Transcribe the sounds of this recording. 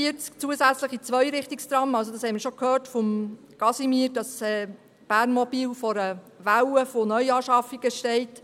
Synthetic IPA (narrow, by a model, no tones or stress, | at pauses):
iət͡sk̚t͡suəsæt͡sləχit͡sʋœʏɾɪχtikst̪ɾɑmɑls̬odɑshɛɪmɪɾʃokʰhøːɾtfɔm | ɡ̥ɑsimiːɾdɑsɛː | b̥æːɾnmɔbiːlfɔɾə | ʋæwəfonœʏɑːʃɑfiɡ̥əʃtɛɪt